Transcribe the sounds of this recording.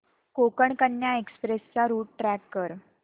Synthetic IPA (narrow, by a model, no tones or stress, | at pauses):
kokəɳkənːjaekspɾest͡saɾuːʈ̚ʈɾækːəɾ